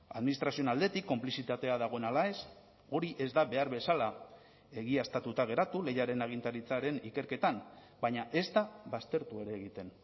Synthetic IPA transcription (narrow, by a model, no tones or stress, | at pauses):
aðminist̪ɾasio̞nald̪e̞t̪ikːo̞mplisit̪at̪e̞aðaɣ̞o̞e̞nalae̞s | o̞ɾiʔe̞zd̪aβe̞aɾβe̞sala | e̞ɣiast̪at̪ut̪aɣ̞e̞ɾat̪ule̞jaɾe̞naɣ̞int̪aɾit͡saɾe̞nike̞ɾke̞t̪an | baɲaʔe̞zd̪aβast̪e̞ɾt̪ue̞ɾe̞ːɣit̪e̞n